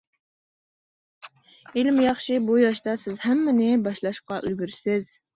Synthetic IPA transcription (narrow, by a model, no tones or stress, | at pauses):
ilɪmjɑχʃibujɑʃt̪ɑsɪzhæmːɪnɪbɑʃlˠɑʃqɑʔølɡʲyɾsɪz̥